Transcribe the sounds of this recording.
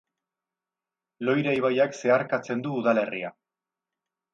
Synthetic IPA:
lo̞jɾajβajakse̞aɾkat͡se̞nd̪uːðale̞ria

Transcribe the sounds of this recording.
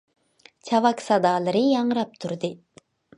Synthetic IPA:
t͡ʃʰɑvɑksɑd̪ɑːlˠɯɾɨjɑŋɾɑp̚t̪ʰuɾd̪ɨ

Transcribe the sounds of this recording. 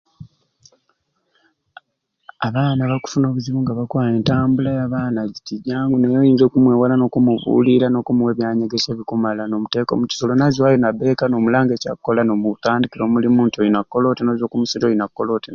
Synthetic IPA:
aβaːnaβaku̥funo̞ːβuziβuŋɡaβakwaːje̞ːntaːmbulajaβaːnaɟitiɟaːŋɡunejojiːnzekumweːwalano̞kumuvṵːliɾano̞kumuwe̞βjaːɲeɡese̞ːβikumalano̞ːmute̞ːko̰muci̥so̞lonazwajonabe̞kano̞ːmulaːŋɡeca̰kkːo̞lanomutaːndikiɾo̞ːmulimuːntojinakːolo̞ːtinoːzoːkumusitojinakːolo̞ten

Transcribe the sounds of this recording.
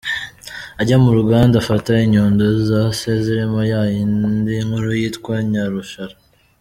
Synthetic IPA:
aɟamuɾuɡaːndafataiɲoːndozizaseziɾemajajindiŋhuɾujitkwaɲaɾuʃaɾa

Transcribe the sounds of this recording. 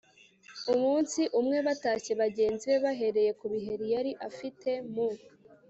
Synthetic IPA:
umuːnsiʔumŋe̞βataːce̞βaɟe̞ːnziβe̞βaɦe̞ɾe̞je̞kuβiɦe̞ɾijaɾiʔafite̞mu

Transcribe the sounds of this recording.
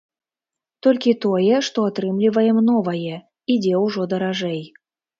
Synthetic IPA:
t̪ɔlʲkʲit̪ojɛʂt̪ɔat̪ɾɨmlʲivɐjɛmnɔvɐjɛ | id͡zʲɛwʐɔd̪ɐɾaʐɛj

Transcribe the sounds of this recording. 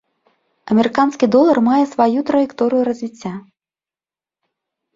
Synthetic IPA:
ɐmʲɛɾɨkanskʲid̪ɔlˠɐrmajɛsvajut̪ɾɐjɛkt̪ɔɾɨjuɾɐzʲvʲit͡sʲːa

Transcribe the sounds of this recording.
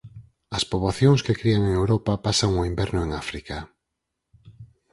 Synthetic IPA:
ɐspoβlaθjõŋskekɾiaŋeŋewɾopapasaŋoimbɛɾnʊeŋafɾika

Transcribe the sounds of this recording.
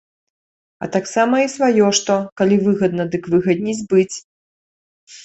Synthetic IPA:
ɐ̰t̪aksamɐisvajɔʂt̪ɔkalʲivɨɣɐd̪nɐd̪ɨkvɨɣɐd̪ʲnʲizʲbɨt͡sʲ

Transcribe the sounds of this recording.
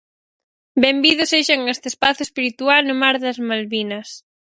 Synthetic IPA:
bembiðʊseʃaŋest̪espaθjʊespiɾit̪ualnʊmaɾðɐzmalβinɐs

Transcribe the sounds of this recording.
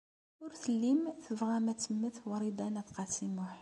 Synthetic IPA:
ʊɾθəlːimθəvʁɑmæt̪əmːəθwɑɾˤid̪ˤænæðqɑsimʊħ

